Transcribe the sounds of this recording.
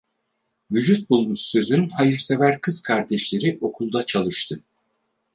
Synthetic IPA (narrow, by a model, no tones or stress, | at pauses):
vyd͡ʒyt̪̚bulˠmuʃsø̞zynhajɯɾse̞væɾkʰɯz̥kʰaɾd̪ɛʃlʲe̞ɾiʔo̞kʰulˠd̪at͡ʃʰalˠɯʃt̪ʰɯ